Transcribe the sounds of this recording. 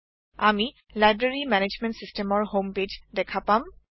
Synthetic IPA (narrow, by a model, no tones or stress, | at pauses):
ami | lajbɹaɹimɛned͡ʒmentsistemɔɹɦomped͡ʒdɛkʰapam